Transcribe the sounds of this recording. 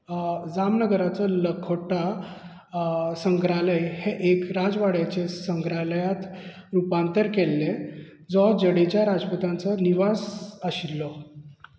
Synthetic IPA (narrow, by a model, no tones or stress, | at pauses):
d͡zamnəɡəɾat͡sɔləkʰoʈa | səŋɡɾaləjheʔekɾad͡zʋaɽat͡ɕesəŋɡɾaləjat̪ | ɾupant̪əɾkɛlːe | d͡zɔd͡ʑəɽet͡ɕjaɾad͡zput̪ãnt͡səniʋasəɕilːɔ